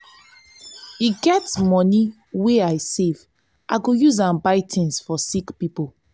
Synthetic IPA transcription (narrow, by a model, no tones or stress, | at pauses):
iɡɛtmɔni | weajsev | ʔaɡojuzãmbaɪtʰĩnsfɔsikpipo